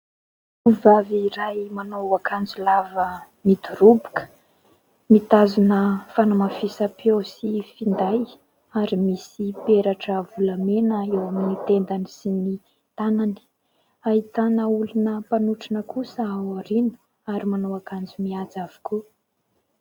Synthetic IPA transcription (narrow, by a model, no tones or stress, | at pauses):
uvaviɾajmanowakand͡zulavə | mid̪uɾubu̥kə̥ | mit̪azunəfanamafisapiowsifind̪aj | aɾimisipeɾaʈ͡ʂəvulamenəewaminit̪end̪anisini | t̪anani̥ | aɦit̪anəulunəpanuʈ͡ʂinəkusəawaɾinu̥ | aɾimanowakand͡zumiat͡sav̥u̥ku